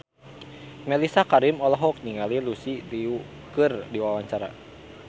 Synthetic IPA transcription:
mɛlisakaɾimɔlɔɦɔk̚niŋalilusidiu | kɨrdiwawaɲt͡ʃaɾa̰

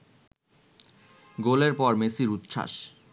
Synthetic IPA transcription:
ɡoleɾpɔɾmesiɾut̪ːʃʰa̰ʃ

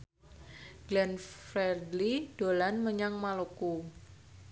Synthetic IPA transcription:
ɡ̥lɛnfɾɛrdlid̥olanməɲaŋmaloku

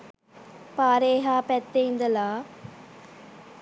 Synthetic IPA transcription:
paːɾeːɦaːpɛt̪ːeind̪ɐlaː

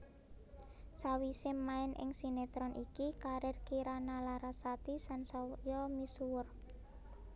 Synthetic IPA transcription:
sawisɪmaɪnʔɪ̰ŋsinet̪ɾɔnʔikikaɾɪrkiɾanalaɾasat̪isansɔjɔmisuwʊr

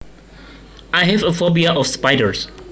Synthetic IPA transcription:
ajɦɛvəfɔbiaʔɔfspaɪdəɹs

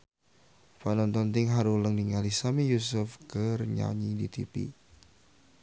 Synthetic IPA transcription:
fanɔnt̪ɔnt̪ɪŋɦaɾuləŋniŋalisamijusʊfkərɲa̰ɲidḭt̪ḭpḭ

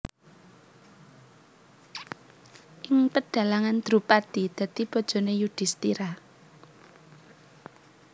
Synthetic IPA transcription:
ʔɪŋpəɖ̥ä̤laŋand̪̥ɾṳpad̪̥id̪̥ä̤t̪ib̥ɔ̤d̥ʒ̥ɔ̤nejud̪̥ɪ̤st̪iɾa

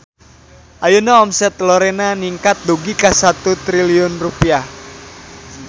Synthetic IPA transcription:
ʔajunaːmsɛt̪lɔɾenaniŋkat̪̚duɡikasat̪ut̪ɾiliʊnrupiah

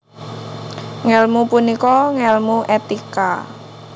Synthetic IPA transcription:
ŋɛlmupunikɔŋɛlmuʔet̪ika

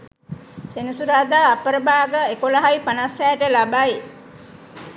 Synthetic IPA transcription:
senusuɾaːd̪aːpəɾəbaːɡəekolaɦajpanasæːəʈəlabai

